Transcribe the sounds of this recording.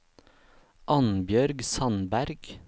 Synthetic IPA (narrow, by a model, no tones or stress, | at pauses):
ʔɑnbjœɾɡsɑnbæɾɡ